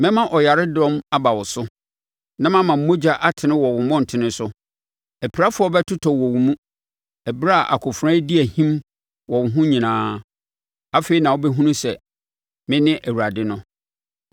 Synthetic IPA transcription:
mɛ̃˦mã˦ʔɔ˨ja˨ɾɪ˦dɔ̃˦ma˦ba˨wɔ˨sʊ˦ | nã˦mã˦mã˨m̩˦mo˦d͡ʑa˦ʔa˦tʰɪ̃˨nɪ̃˦wɔ˨wʊ̃˨mɔ̃˦˨n̩˨tʰɪ˨nɪ̃˦sʊ˦ | æ˨pʰi˨ɾa˦fʊ˦ɔ˦bɛ˦tʰʊ˦tʰɔ˨wɔ˨wu˨mũ˦ | æ˨bɾa˦˨ʔa̰˨kʰʊ˨fɾã˦di˦æ˨hĩ˦m | wɔ˨wʊ˨ɦʊ̃˦ɲĩ˨nãː˦ | a˦feː˨i˨nã˨wo˦bɛ˦ɦũ˦nũ˦sɛ˨ | mɪ̃˦nɪ̃˦ʔæ˨wu˨ɾa˨dɪ˦nʊ̃˦

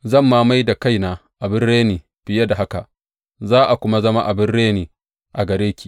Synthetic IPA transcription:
zɐ˦˨mːaː˦ma˦jda˨ka˦jnaː˨ʔa˨bɪ˦rɽeː˦niː˨ | ɸɪ˨ja˦da˨a˦ka̰˨ | zaː˦ʔa˨kʷʊ˦ma˦zɐ˦ma˦ʔa˨bɪ˦rɽeː˦niː˨ | ʔa˨ɡɐ˨ɾeː˦kʲi̥ː˨

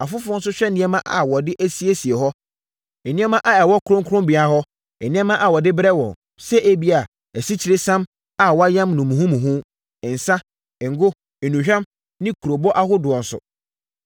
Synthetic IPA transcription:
a˨fʊ˦fʊ˦ɔ̃˦n̩˦s̬ʊ˦ɕᶣɛ˦nɪ̃˦ɛ˦mã˦ʔa̰˨wɔ˨dɪ˦ʔæ˦si˦e˦si˨e˨ɦɔ˦ | ɛ˨nĩ˦ɛ˦mã˦ʔa˨ɛ˨wɔ˦kʰʊ˨ɾʊ̃˦ŋ˦kʰʊ˦ɾʊ̃˦mbi˨a˨hɔ˦ | ɛ˨nĩ˦ɛ̃˦mã˦ʔa˨wɔ˨dɪ˦bɾɛ˦wɔ̰̃˨n | sɛ˦ʔe˦bi˦a˨ | æ˨si˦t͡ɕʰi˨ɾe˦sã˦m | a˨wɔ˦a˦jã˦mnʊ̃˨mũ˨ɦũ˦mũ˨ɦʊ̃˦ | ɪ̃˨n̩˨sã˦˨ | ŋ̩˨ɡʊ˦ | e˨nũ˨ɕᶣɛ̃˦m | nɪ̃˦kʰu˨ɾo˨bɔ˦ʔa˦hʊ˦dʊ˨ɔ̃˨n˨sʊ̰˨

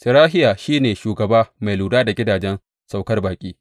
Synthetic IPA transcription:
sɪ˨ɾaː˦ɦɪ˦jaː˨ʃiː˦neː˨ʃuː˨ɡɐ˨baː˦ma˨jluː˨daː˦da˨ɡʲɪ˦daː˨d͡ʒɛ˦n | sa˨wkɐ˦rbaː˨kʲʼiː˦

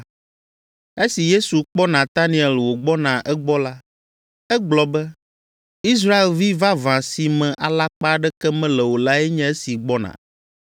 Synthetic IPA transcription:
e˦si˨je˦su˨k͡pɔ˦nã˨t̪a˦nĩ˨ɛ˨lwo˨ɡ͡bɔ˦nã˨ʔɛ˦ɡ͡bɔ˦la˦ | ɛ˦ɡ͡blɔ˨bɛ˦ | i˦s̬ɾa˦e˨lvi˦va˦vã˨si˨mɛ̃˨ʔa˨la˦k͡pa˦ɖɛ˦kɛ˦mɛ̃˦lɛ˨wo˨la˦ɛ˦ɲɛ̃˦e˦si˨ɡ͡bɔ˦nã̰˨

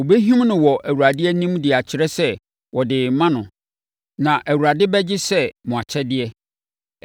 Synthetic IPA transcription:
o˨be˦ɦĩ˦mnʊ̃˨wɔ˨ʔæ˨wu˨ɾa˨dɪ˦ɛ˦nĩ˦mdɪ˨a˨t͡ɕʰɪ˨˦ɾɛ˦sɛ˦ | wɔ˨dɪː˨mã˦nʊ̃˨ | nã˨ʔæ˨wu˨a˨dɪ˦bɛ˦d͡ʑɪ˦sɛ˦mʊ̃˨a˨t͡ɕʰɛ˦dɪ˦ɛ˦

